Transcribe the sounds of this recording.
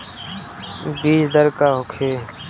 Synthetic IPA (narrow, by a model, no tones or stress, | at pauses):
biːd͡ʒd̪əɾkaːɦʊkʰeː